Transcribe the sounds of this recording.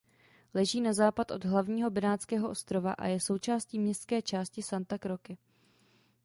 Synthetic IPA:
lɛʒiːnazaːpat̪ʔo̞̰dɦlavɲiːɦo̞bɪnaːt͡skɛːɦoʔo̞st̪ɾo̞va̰ʔa̰jɛso̞wt͡ʃaːsciːmɲɛst̪skɛːt͡ʃaːscɪsant̪akɾo̞kɪ

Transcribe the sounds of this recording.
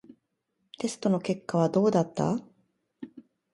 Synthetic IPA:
t̪e̞sɨ̥t̪o̞no̞ke̞kːaβ̞ad̪o̞ːd̪at̪ːa̰

